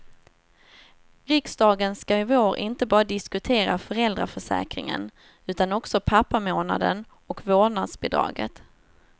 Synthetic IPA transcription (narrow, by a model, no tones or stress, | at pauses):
ɾɪksd̪ɑːɡənskaɪvoːɾʔɪ̰nt̪əbɑːɾad̪ɪskɵt̪ʰeːɾafœɾɛld̪ɾafœʂɛ̰ːkɾɪ̰ŋə̰n | ʉ̟ːt̪anɔksɔpʰapːamoːna̰d̪ə̰n | ɔkvoːnad̪sbɪd̪ɾɑ̰ːɡə̰t̪